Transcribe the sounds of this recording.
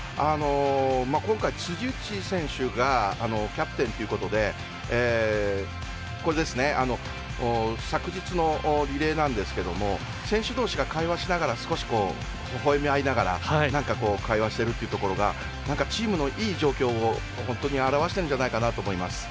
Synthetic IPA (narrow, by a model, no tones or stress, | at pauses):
ano̞makõ̞ŋkait͡sɨʑɨːt͡ɕisẽ̞ɰ̃ɕɨɡaːno̞kʲapɯ̟t̪ẽ̞nt̪oiɯ̟ko̞t̪o̞d̪e̞ː | ko̞ɾe̞d̪e̞sɨne̞ʔano̞ | sakɯ̟d͡ʑit͡sɨno̞ɾʲiɾe̞ːnãnd̪e̞sɨ̥ke̞d̪o̞̰mo̞ | sẽ̞ɕɨd̪o̞ːɕiɡakaiβaɕinaɡaɾasɨ̥ko̞ɕi̥ko̞ː | hoɦo̞emʲiainaɡaɾa̰hainãŋkako̞ːkʰaiβaɕi̥t̪e̞ɾɯ̟t̪eiɯ̟t̪o̞ko̞ɾo̞ɡa̰ | nãŋkat͡ɕiːmɯ̟no̞ʔiːʑo̞ːkʲo̞ːo | hõ̞nt̪o̞ɲ̟iaɾaβ̞aɕi̥t̪eɯ̟ɲ̟d͡ʑanaikanat̪o̞ːmo̞imasɨ̥